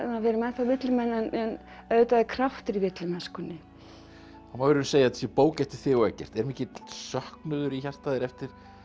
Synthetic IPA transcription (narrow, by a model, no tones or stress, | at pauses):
naðvɛːɾʏmɛnθavɪt̪lɪmɛnːɛnɛn | œːðt̪aðɪkʰɾaft̪ɪɾivɪt̪lɪmɛnskʏnːɪ | anavɪɾɪɾnseːjat̪sjɛpoːwcɛft̪ɪ̥θɪːɣɔɛcːɛ̰r̥t̪ɛɾmiːcɪsœhknʏːðʏɾiçar̥st̪aːðɪɾɛft̪ɪɾ̥